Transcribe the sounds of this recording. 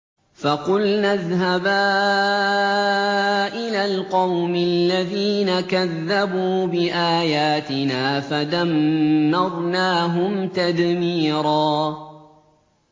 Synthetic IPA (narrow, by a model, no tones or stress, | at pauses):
fɑqʊlnaðɦabaː | ʔɪlaːlqɑwmɪlːaðiːnakaðːabuːbɪʔaːjaːt̪ɪnaːfad̪anːɑɾˤnaːɦʊmt̪ad̪miːɾˤɑː